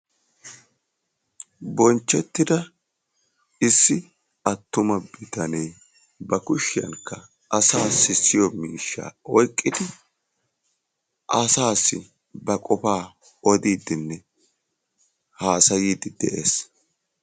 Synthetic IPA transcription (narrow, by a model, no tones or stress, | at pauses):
bɔnt͡ʃːɛt̪ːɪd̪ɐ | ɪsːɪ | ɐt̪ːʊmɐbɪt̪ɐnɛj | bɐkʊʃːɪjɐ̰ŋkːɐ | ʔɐsaːsːɪsɪjɔmiːʃːa̰ːɔjkʼːɪd̪ɪ | ʔɐsaːsːɪ | bɐkʼɔfaː | ɔd̪iːd̪ɪnːɛ | haːsɐjiːd̪ɪd̪ɛʔeːs